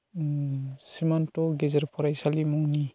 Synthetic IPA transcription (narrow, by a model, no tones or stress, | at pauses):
simantɔɡezeɾpʰɔɾajsalimɔŋni